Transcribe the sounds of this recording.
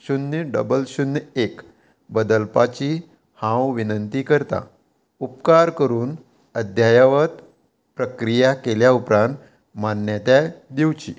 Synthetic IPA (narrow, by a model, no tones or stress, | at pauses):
ɕunːɖə̰bəlɕunːek | bəd̪əlpat͡ɕi | hãwʋinənt̪ikəɾt̪a̰ | upkaɾkəɾuːn | əd̪ʱjajaʋət̪ | pɾəkɾijakeljaupɾãnt̪ | manːjət̪jad̪iwt͡ɕḭ